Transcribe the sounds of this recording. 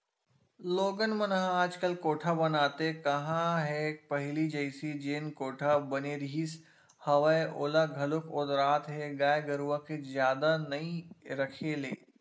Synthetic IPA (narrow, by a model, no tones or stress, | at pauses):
loːɡənmənɦaːd͡ʒkəlkoːʈʰabɐnaːt̪ekɐɦãɦɛpɐɦlid͡ʒəɪsid͡ʒeːnkoːʈʰabɐneɾiːs | hɐʋəeʔoːlaɡʱɐlʊkʰʊd̪ɾaːt̪ɦɛɡaːjɡɐɾuʋakezjaːd̪anɐĩɾɐkʰelḛː